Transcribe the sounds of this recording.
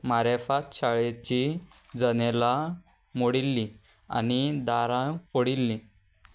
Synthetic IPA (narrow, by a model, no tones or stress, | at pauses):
maɾefat̪ɕaɭet͡ɕi | d͡zənela | moɽilːi | a̰nid̪aɾãpoɽilːi